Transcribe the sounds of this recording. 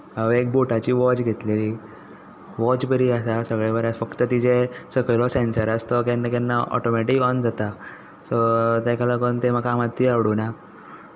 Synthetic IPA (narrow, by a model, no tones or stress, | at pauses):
aʋek̚boʈat͡ɕiːʋɔt͡ɕɡʱet̪leli | ʋɔt͡ɕbəɾiasasəɡɭebəɾafəkt̪ət̪id͡ʑesəɡɭlɔsensəɾast̪ɔkɛnːakɛnːaɔ̰ʈɔmeʈikɔnd͡zat̪a | sɔt̪akʰalakont̪eməkaːmat̪ːiaʋɽuna